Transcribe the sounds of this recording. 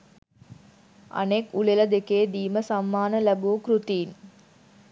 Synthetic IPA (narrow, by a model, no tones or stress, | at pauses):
a̰nekulelɐd̪ekeːd̪iːməsamːaːnəlæbuːkɾut̪iːn